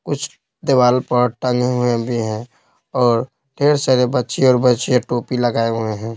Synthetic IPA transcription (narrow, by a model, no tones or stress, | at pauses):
kʊt͡ʃʰ | d̪ewaːlpəɾʈə̃ŋɡʱeɦʊebʱiɦɛ̃ | ɔːɾ | ɖʱeːɾsəɾebətːʃeɔːɾbətːt͡ʃeaʈoːpiləɡaːeɦʊeɦɛ̃ː